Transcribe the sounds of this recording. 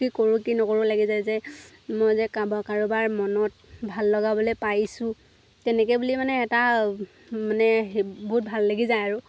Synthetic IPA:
kikoɹukinɔkoɹʊlaɡizajzɛ | mojzɛkabɔkaɹubaɹmɔnɔt̚bʱalːɔɡabɔlɔjpajsʊ̃ | tɛnɛkɛbulimanɛːta | manɛɦbɔɦut̚bʱalːaɡizajaɹʊ

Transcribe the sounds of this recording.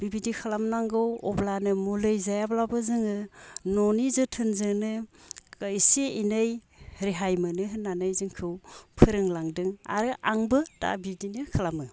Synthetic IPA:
b̥ibidikʰalamnaŋɡɯwɔblanɯmulɯjzajablabɯzɯŋɯnɔnizɯtʰɯnzɯnɯkajseinɯj | ɾeɦajmɯnɯɦɯnːanɯjzɯŋkʰɯwpʰɯɾɯŋlaŋdɯŋa̰ɾɯʔaŋbɯta̰bidinɯkʰalamɯ

